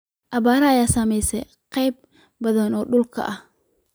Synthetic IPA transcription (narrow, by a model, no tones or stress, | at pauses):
ʔɐβaːɾɐɐjaːsɐmɛjsɛ̰j | qɑjb̚ | bɐðɐnɔːɗʊlkʰɐ̰ʔɐh